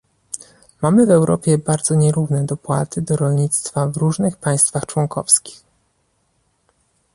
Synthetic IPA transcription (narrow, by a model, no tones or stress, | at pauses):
mamɘvɛwɾʔɔ̰pʲjɛbaɾd̪zɔɲɛɾuvnɛd̪ɔpwa̰t̪ɘd̪ɔɾɔlɲit̪st̪favɾuʐnɘxpaj̃st̪faxt͡ʂwɔŋkʰɔ̰fskʲi̥x